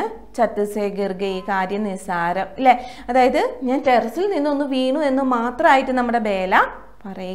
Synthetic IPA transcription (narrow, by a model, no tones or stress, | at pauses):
t͡ɕɐt̪ːɨseːɡirɡɐiːkaːɾjɐmnisaːɾɐmilːe | ɐðaːjɐðɨɲaːnterɐsilninːo̞nːɨʋiːɳue̞nːɨmaːt̪rɐmaːjiʈːɨnɐmːuɽe̞be̞ːlɐ | pɐrɐju